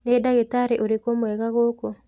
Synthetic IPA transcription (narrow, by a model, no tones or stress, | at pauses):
nedaɣetaɾeʔoɾekomwɛɣaɣoːkɔ